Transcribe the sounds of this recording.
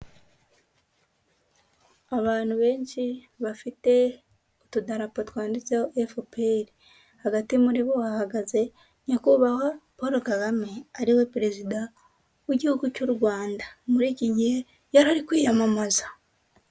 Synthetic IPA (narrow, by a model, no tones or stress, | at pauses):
aβaːn̥uβe̞ːɲʃi | βafite̞ | otudaɾapotwaːndit͡seoʔefopeɾi | haɡatimuɾiβo̞ahaɡaze̞ | ɲakuβawapoɾokaɡameaɾiwe̞pɾe̞zida | weɟihuɡucoɾuɡwaːndamuɾiːciɟihe | jaɾaɾikwiːjamamazḁ